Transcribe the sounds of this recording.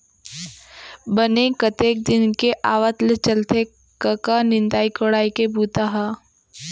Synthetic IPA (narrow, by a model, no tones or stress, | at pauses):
bənekɐt̪eːk̚d̪ɪnkeʔaːʋət̪let͡ʃəlt̪e | kəkanɪ̃nd̪aːikoɽaːikebuːt̪aɦaː